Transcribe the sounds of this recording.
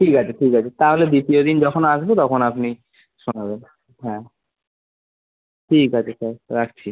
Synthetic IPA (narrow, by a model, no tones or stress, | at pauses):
ʈʰikat͡ɕʰeʈʰikat͡ɕʰet̪aɦoled̪it̪iod̪ind͡ʑɔkʰonaʃbot̪ɔkʰonapni | ʃonaben | ɦɛ̃ | ʈʰikat͡ɕʰesaɾɾak̚ʰt͡ɕʰi